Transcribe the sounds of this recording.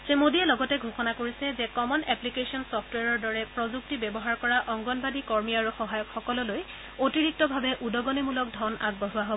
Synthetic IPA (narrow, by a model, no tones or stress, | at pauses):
zemodiɛlɔɡɔtɛɡʱoxɔnakoɹisɛzɛkɔmɔnɛplikesiɔnsɔpʰtwɛɹɔɹdɔɹɛpɹɔzuk̚tibɛbɔɦaɹkɔɹaʔɔŋɡɔnbadikɔɹmiaɹuxɔɦajɔkxɔkɔlɔloj | otiɹik̚tɔbʱabɛʔudɔɡɔnimulɔk̚dʱɔna̰ɡ̚bɔɦuaɦob